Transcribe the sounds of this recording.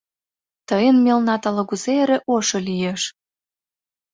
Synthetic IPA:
t̪əjənmʲelnɑt̪ɑlɤ̆ɣuzeeɾĕʔoʃolijeʃ

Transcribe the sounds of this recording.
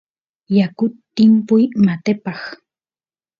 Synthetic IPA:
jakʊt̪ːɪmpʊjmat̪epɑχ

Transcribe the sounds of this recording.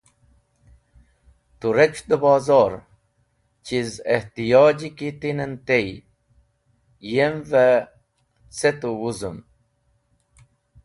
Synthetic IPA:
t̪uɾet͡ɕd̪əbɑːzɑɾ | t͡ɕizeht̪ijɑːd͡ʑikit̪inənt̪ej | jemve | t͡set̪uwuzəm

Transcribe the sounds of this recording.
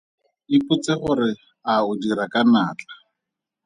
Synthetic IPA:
ɪpʼʊt͡sʼeχʊɾɪ | aʊdiɾakʼanaːt͡ɬʼḁ

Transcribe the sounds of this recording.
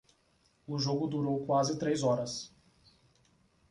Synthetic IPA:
ʊʒoɡʊd̪uɾowkwazɪt̪ɾejzɔɾɐs

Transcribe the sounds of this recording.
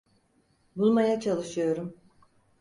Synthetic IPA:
bulˠmajat͡ʃʰalˠɯʃɯjo̞ɾum

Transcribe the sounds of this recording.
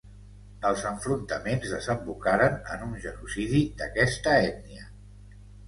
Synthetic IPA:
əlˠzəɱfɾunt̪əmenzðəzəmbukaɾənə̰nunʒənusiðid̪əkɛst̪əɛdniə

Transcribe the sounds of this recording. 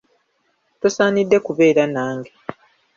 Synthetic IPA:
tosaːnidːe̞kuβe̞ːɾanaːŋɡe

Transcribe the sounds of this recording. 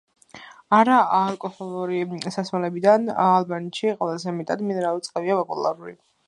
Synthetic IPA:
aɾaaːlˠkʼɔhɔlˠuɾisasmalɛbid̪analˠbant̪ʃiqʼwɛlˠazɛmɛt̪ʼad̪minɛɾalˠut̪sʼqʼɛviapʼɔpʼṵlˠa̰ɾulḭ

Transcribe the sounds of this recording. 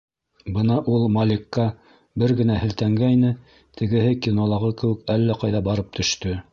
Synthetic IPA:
bɤnɑʔulˠmalʲikːɑ | bɘɾɡɘ̆næhɘ̆lt̪æŋɡæjnɘ | t̪ʰɘ̆ɡɘ̆hɘkʲinolˠɑʁɤkɘ̆wɘ̆kælːæqɑjðɑbɑɾɤp̚t̪ʰɵ̆ʃt̪ɵ

